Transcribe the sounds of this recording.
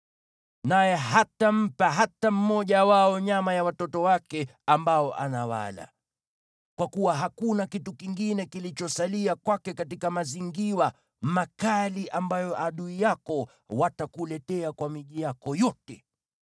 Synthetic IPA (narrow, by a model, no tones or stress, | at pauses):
najɛɦatam̩paɦatam̩mɔʄawaɔɲamajawatɔtɔwakɛambaɔʔa̰nawa̰la̰ | kwakuwaɦakunakitukiŋɡinɛkilit͡ʃɔsaliakwakɛkatikamaziŋɡiwa | makaliʔambajɔʔaɗuijakɔ | watakulɛtɛakwamiʄijakɔjɔtɛ